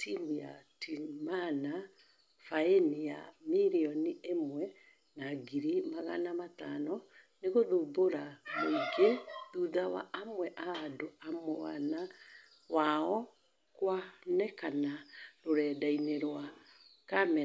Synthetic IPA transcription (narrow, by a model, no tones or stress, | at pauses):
tʰimija̰tʰimana | faenijamiɾiɔniʔemwɛ | naɡiɾimaɣa̰namatanɔ | neɣoðoboɾamoiɡeðuːðawa̰ʔamwɛʔaːdoamoa̰na | waɔ | kwanɛkanaɾoɾɛːdaineɾwa | kamɛ